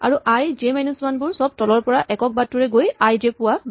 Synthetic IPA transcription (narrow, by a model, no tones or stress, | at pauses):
aɹuʔajzemajnusmanbʊɹsɔb̚tɔlɔɹpɔɹaʔɛkɔk̚batːuɹɛɡojajzepʊwa